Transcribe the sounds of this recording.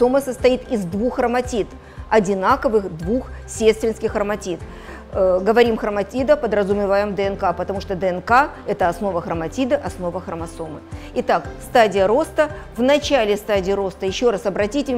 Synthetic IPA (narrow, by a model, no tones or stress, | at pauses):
soməsəst̪ɐit̪ɪzd̪vuxrəmɐtʲit̪ | ɐdʲɪnakəvɨxd̪vuxsʲet̪st̪ʲvʲɪnskʲɪxrəmɐtʲit̪ | ɡəvɐɾʲimxɾəmɐtʲid̪əpəd̪ɾəzʊmʲɪvajɪmd̪əɛnkapət̪ɐmuʂt̪od̪əɛnka | ɛt̪əɐsno̞vəxɾəmɐtʲid̪əʔɐsno̞vəxɾəmɐsomɨ̰ɪt̪akst̪adʲɪjəɾo̞st̪əvnɐt͡ɕalʲɪst̪adʲɪːɾo̞st̪əjɪɕːo̞ɾasɐbɾɐtʲitʲɪ